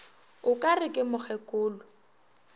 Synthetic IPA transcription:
ʊkʼarɪkʼɪmʊχʰɛkʼʊːlʊ

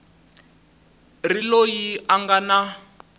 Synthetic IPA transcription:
rilojiaŋɡana

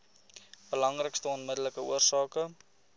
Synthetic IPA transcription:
b̥əlɐŋrəkstəɔnmədələkəuərsɑːkə

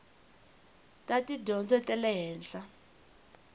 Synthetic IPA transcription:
tʼatʼidɔnt͡sʼɛtʼɛlɛɦɛːnɬa

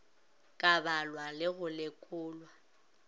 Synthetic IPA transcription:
kʼabalwalɪɣʊlɪkʼʊːlwa

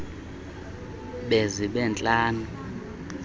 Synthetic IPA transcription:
ɓeziɓɛnt͡ɬʼaːnu

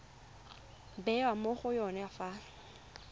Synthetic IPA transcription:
bɛwamoχʊjɔnɛafaː

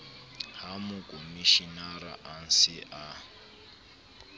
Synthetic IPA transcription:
hamukʼomiʃinaɾa̰ʔan̩sɪʔa

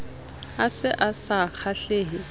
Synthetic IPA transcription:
asɪʔasak͡xʰaɬeːɦɪ

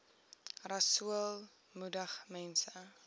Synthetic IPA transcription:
rɐsuəlˠ | mudəχmɛnsə

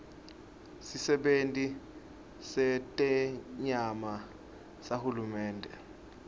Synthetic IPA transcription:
sisɛɓentʼi | sɛtʼɛɲama | sahulumɛːndʱɛ

